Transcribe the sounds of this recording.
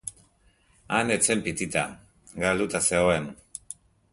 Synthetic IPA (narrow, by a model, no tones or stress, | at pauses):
anet͡se̞mpit̪it̪a | ɡald̪ut̪aseoem